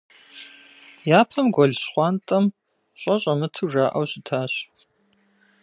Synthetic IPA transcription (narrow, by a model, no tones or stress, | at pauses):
jaːpʰɐmɡʷɔɮɕχʷɑːntʼɐm | ɕʷʼɐɕʼɐmɨtʰɨʐaːʔɐwɕɪtʰaːɕ